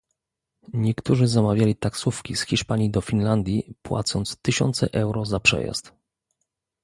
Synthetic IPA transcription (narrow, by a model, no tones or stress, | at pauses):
ɲɛkt̪uʐɘzamavʲjalʲit̪aksufkʲisxʲiʂpaɲid̪ɔfʲinland̪ʲjipwa̰t̪sɔnt̪st̪ɘɕɔ̰nt̪sɛ̰ʔɛwɾɔzapʂɛ̰ja̰st̪